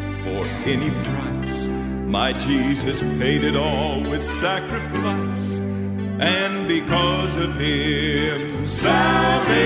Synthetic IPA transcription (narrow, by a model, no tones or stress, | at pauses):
fə˞ | ɛnipʰɹ̥aɪs | maɪd͡ʒizɨspʰeɪɾɨɾɔlˠwɪð̥sækɹɨfaɪs | ʔɨ̃nbɨkʰʌzʌv̥ɪ̃m | sal